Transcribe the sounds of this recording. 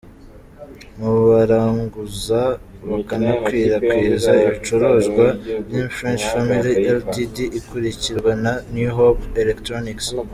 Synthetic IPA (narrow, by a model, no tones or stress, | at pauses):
muβaɾaːŋɡuzaβakanakwiːɾakwiːɾzaiβit͡ʃoɾoːʒɡwajifɾent͡ʃfamilieldidiʔːkuɾiciɾɡwenanjuɦopelektɾoniks